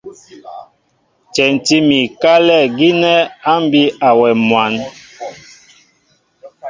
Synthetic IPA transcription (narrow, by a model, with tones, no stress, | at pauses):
t͡ʃɛ˨n˨ti˦mi˨ka˦lɛ˦˨ɡi˦nɛ˦a˦m˦bi˦a˨wɛ˨mwa˨˦n